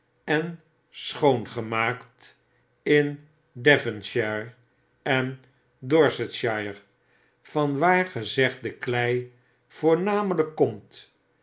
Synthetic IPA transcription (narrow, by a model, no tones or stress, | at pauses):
ɛn | sχownχəmaːkt | ɪn | dɛvənʃɛɹ | ɛn | dɔɹsətʃɑjəɹ | vɑnʋaːɹχəzɛχt̚dəklɛj | v̥ʊːɹnaːmələkːɔmt